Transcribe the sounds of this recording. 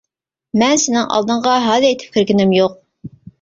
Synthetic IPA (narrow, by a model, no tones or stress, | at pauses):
mɛnsɪnɪŋʔɑ̰lˠd̪ɨɴʁɑɦɑːðɨet̪ʰɪ̥p̚kʲʰiɾɡʲɪnɪmjoq̚